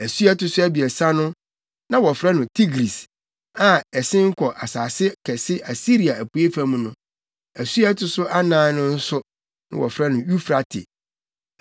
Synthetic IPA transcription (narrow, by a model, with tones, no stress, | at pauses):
æ˨su˦ɛ˦tʰʊ˨sʊ˦æ˦bi˨ɛ˨sa˦nʊ̃˦ | nã˦wɔ˨fɾɛ˦nʊ̃˨tʰi˦ɡɾi˨s | ã˨ɛ˨sɪ̃˦ŋ̩˦kʰɔ˨ʔa˨saː˨sɪ˦kʰɛ˨sɪ˦ʔa˨si˦ɾi˨a˨æ˨pʰu˨e˦fã˦mũ˦nʊ̃˦ | æ˨su˦ɛ˦tʰʊ˨sʊ˦ʔa˦nãː˨˦nʊ̃˦n̩˦sʊ˦ | nɪ̰̃˦wɔ˨fɾa˦nʊ̃˨ju˦fɾa˨tʰɪ̰˨